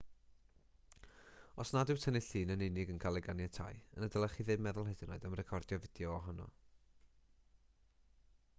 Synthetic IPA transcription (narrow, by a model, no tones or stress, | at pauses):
ɔsnadɪwtʰənɪɬɨːnənɪnɪɡənkʰalˠɛɡanjatʰa̰jənədəlˠəχiðɨdmɛðʊlˠɦɛdɨnoɨðamrɛkʰɔrdjɔvɪd̥jɔɔɦɔnɔ̰